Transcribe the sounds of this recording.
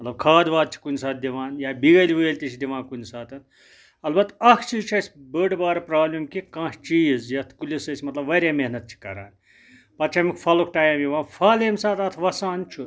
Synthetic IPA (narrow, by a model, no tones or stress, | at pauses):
mmɐt̪lɐb̚kʰaːd̪ʋaːd̪̚t͡ʃʰi̥kunʲisaːt̪̚ʰd̪iʋaːnjaːbiɡɐliʋeːlʲt̪it͡ʃʰid̪iʋaːnkunʲsaːt̪ɐn | ɐlbɐt̪ɐkʰt͡ʃizt͡ʃʰɐsʲbəɖbaːɾɐpɾaːblʲimkikãːʃt͡ʃiːzjɐt̪ʰkulʲisɐsʲimɐt̪lɐbʋɐɾʲjaːmeɦnɐt̪̚t͡ʃʰi̥kɐ̰ɾa̰ːnʲ | pɐt͡ʃʰɐmikpʰɐlok̚ʰʈaːjɐmjiʋãːnpʰaːlemsaːt̪ɐt̪ʰʋɐsaːnt͡ʃʰu